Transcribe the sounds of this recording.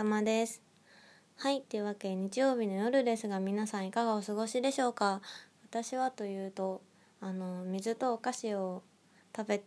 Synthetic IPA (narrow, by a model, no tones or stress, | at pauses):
amad̪e̞sɨ̥ | hait̪ːe̞ɯ̟βake̞ɲ̟it͡ɕijo̞ːbʲino̞jo̞ɾɯ̟d̪e̞sɨɡamʲinasãɰ̃ikaɡao̞sɨɡo̞ɕid̪e̞ɕo̞ːkaβat̪aɕiβat̪o̞jɯ̟ːt̪o̞ | ano̞mʲizɨt̪o̞ːkaɕio̞ | t̪abe̞t̪